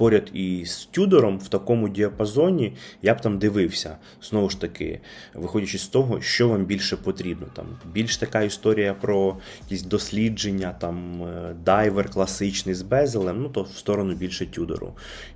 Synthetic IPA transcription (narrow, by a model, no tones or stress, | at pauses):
pɔɾʲɐd̪istʲud̪ɔɾɔmw̥t̪ɐkɔmʊdʲiɐpɐzɔnʲijabt̪ɑmd̪ɪʋɪwsʲɐ | z̥nɔʋʊʃt̪ɐkɪ̰ʋɪxɔdʲɐt͡ʃesʲst̪ɔɦɔʃt͡ʃɔʋambʲilʲʃɛpɔt̪ɾʲibnɔt̪ɑ̰mbʲilʲʃt̪ɐkɑist̪ɔɾʲijɐpɾɔjjɐkʲisʲd̪ɔsʲlʲid͡ʒenʲːɐt̪ɑmd̪ajʋerklˠɐsɪt͡ʃnɪjzbɛzelˠɛmnut̪ɔwst̪ɔɾɔnʊbʲilʲʃɛtʲud̪o̰ɾʊ̰